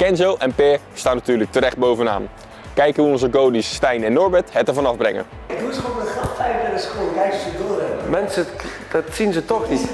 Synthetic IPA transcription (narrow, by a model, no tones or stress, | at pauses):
kɛnzowʔɛnpɪːɹ | staːnatyːɹlək̚təɾɛχd̚bowvəna̰ːn | kɛjkəɦuɔnzəɡowdisːtɛjnɛnːɔɹbɛtɦɛtəɹvɑnɑvbrɛ̰ŋə̰ | ɪɡ̚dusχʋoːnəχrɑχtɛjvənədəskoːɡɛjstədoːrɛmɛnsə | d̥ɑtsinzətɔχnit